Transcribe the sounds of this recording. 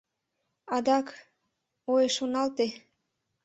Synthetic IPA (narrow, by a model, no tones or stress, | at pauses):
ɑd̪ɑk | ojeʃonɑlt̪e